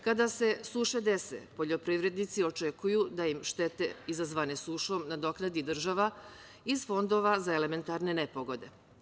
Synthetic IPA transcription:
kad̪ase̞suʃe̞d̪e̞sḛpo̞ʎo̞pɾiʋɾe̞d̪nit̪sio̞t͡ʃekujud̪ajimʃt̪e̞t̪eizazʋane̞suːʃo̞mnad̪o̞knad̪id̪r̩ʒaʋa | izfo̞nd̪o̞ʋazaele̞me̞nt̪aɾne̞nepoɡo̞d̪e̞

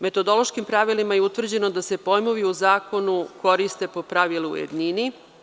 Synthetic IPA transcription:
me̞t̪o̞d̪o̞lˠo̞ʃkimpɾaʋilimajeut̪ʋr̩d͡ʑe̞no̞d̪ase̞po̞jmo̞ʋiuzaːko̞nuko̞ɾist̪e̞po̞pɾaʋilṵjḛd̪nini

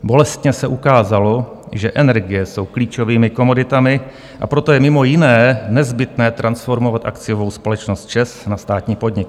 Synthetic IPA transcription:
bo̞lɛst̪ɲɛsɛʔukaːzalo̞ | ʒɛʔɛnɛɾɡɪjɛso̞wkliːt͡ʃo̞viːmɪko̞mo̞dɪt̪amɪ | ʔa̰pɾot̪o̞jɛmɪmo̞jɪnɛːnɛzbɪt̪nɛːt̪ɾʔansfo̞ɾmo̞vat̪ʔa̰kt͡sɪjovo̞wspo̞lɛt͡ʃnost̪̚t͡ʃɛsnast̪aːt̪ɲiːpo̞d̪ɲɪk̚

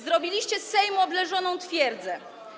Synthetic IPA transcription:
zɾɔbʲilʲiɕt͡ɕɛsɛjmɔblɛʐɔnɔ̃w̃t̪fʲjɛɾd̪zɛ

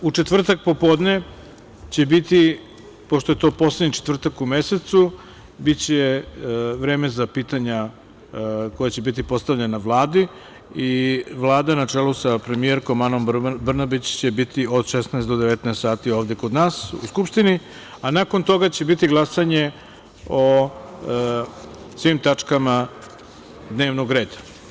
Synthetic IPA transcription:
ut͡ʃet̪ʋr̩t̪ak̚po̞po̞ːd̪ne̞ | t͡ɕe̞bit̪i | poʃt̪ojet̪o̞po̞sled̪ɲit͡ʃet̪vr̩t̪akume̞se̞t̪su | bit̪t͡ɕe | ʋɾe̞ːme̞zapiːt̪aɲa | ko̞jat͡ɕe̞bit̪ipo̞st̪aʋʎenaʋlˠaːd̪i | iʋlˠaːd̪anat͡ʂelusapɾe̞mijeɾko̞mano̞mbr̩nabit͡ɕt͡ɕe̞bit̪io̞d̪ʃesnaest̪d̪od̪eʋet̪naest̪saːt̪io̞ːʋd̪eko̞d̪naːsṵskupʂt̪ini | anako̞nt̪o̞ɡat͡ɕe̞bit̪iɡlˠasaɲe̞ | o | sʋimt̪at͡ʂkama | d̪ne̞ːʋnoɡɾe̞ːd̪ḁ

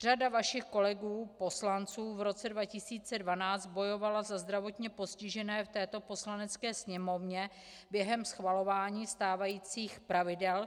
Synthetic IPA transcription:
r̝adavaʃɪxko̞lɛɡuːpo̞slant͡suːvɾo̞t͡sɛdvacɪsiːt͡sɛdvanaːt͡st̪̚bo̞jo̞valazazd̪ɾavo̞t̪ɲɛpo̞scɪʒɛnɛːft̪ɛːt̪o̞po̞slanɛt͡skɛːsɲɛmo̞vɲɛ | bjɛɦɛmsxvalo̞vaːɲiːst̪aːvajiːt͡siːxpɾavɪdɛl

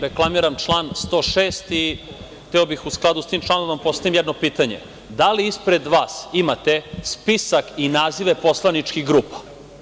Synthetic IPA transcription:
ɾeklˠamiɾamt͡ʃlˠaːnst̪oːʃeːst̪i | t̪ɛobixusklˠad̪ust̪iːmt͡ʃlˠanoampo̞st̪aʋimjɛd̪no̞piːt̪aɲḛ | d̪aliispɾe̞d̪ʋaːsimat̪espisakinaːziʋepo̞slˠanit͡ʂkiɣɡɾuːpḁ

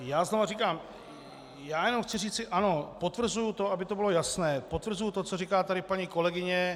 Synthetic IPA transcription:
jaːznovarikaːm | jaːjɛno̞mxt͡sɪriːt͡sɪʔano̞pot̪vr̩zujut̪o̞ʔabɪt̪o̞bɪlo̞jasnɛːpot̪vr̩zujut̪o̞t͡soriːkaːt̪adɪpaɲiko̞lɛɡɪɲɛ

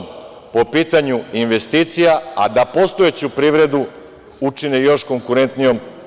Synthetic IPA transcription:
po̞piːt̪aɲuinʋe̞st̪iːt̪sijaa̰d̪apo̞st̪oet͡ɕupɾiːʋɾe̞d̪u | ut͡ʂinejo̞ʃko̞ŋkuɾe̞nt̪nijo̞m

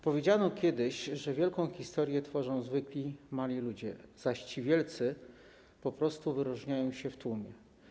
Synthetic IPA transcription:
pɔvʲjed͡ʑanɔkʲjɛd̪ɘɕʐɛvʲjɛlkɔ̃w̃xʲist̪ɔɾjɛt̪fɔʐɔ̃w̃zvɘklʲimalʲilud͡ʑɛz̥aɕt͡ɕivʲjɛlt̪sɘ | pɔpɾɔst̪uvɘɾuʐɲajɔ̃w̃ɕɛft̪umʲjɛ

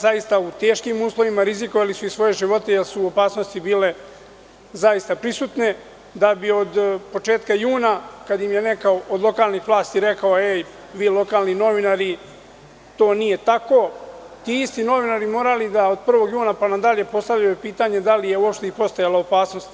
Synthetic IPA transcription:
zajist̪aut̪e̞ːʃkimuːslˠo̞ʋimaɾiziko̞ʋalisuisʋo̞je̞ʒiʋo̞t̪e̞jelsuopaːsnost̪ibiːle̞ | zajist̪apɾisut̪ne̞ | d̪abio̞d̪po̞t͡ʂe̞ːt̪̚kajuːnakad̪jimjene̞kaoʔod̪lˠo̞kaːlnixʋlˠaːst̪iɾe̞kaoe | ʋiːlˠo̞kaːlˠnino̞ʋinaɾi | t̪o̞ːnije̞t̪ako̞ | t̪iist̪ino̞ʋinaɾimo̞ːɾalid̪aod̪̚pr̩ʋo̞ɡjuːnapanad̪aʎe̞po̞st̪aʋʎajupiːt̪aɲe̞d̪alije̞uo̞pʃt̪e̞ipo̞st̪ajalaopaːsno̞st̪

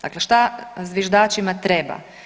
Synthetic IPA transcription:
d̪a̰kleʃt̪azʋjeʒd̪aːt͡ʃimat̪ɾeːba̰

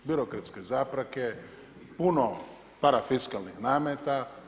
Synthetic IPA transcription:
biɾokɾat̪skezaːpɾake | puno | paɾafiskalˠnixnaːmet̪a

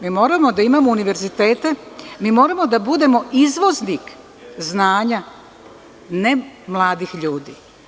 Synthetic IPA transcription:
mimo̞ːɾamo̞d̪aimamouniʋe̞ɾzit̪e̞ːt̪emiːmo̞ːɾamo̞d̪abud̪e̞mo̞izʋo̞znik | znaːɲa | ne̞mlˠaːd̪ixʎuːd̪ḭː

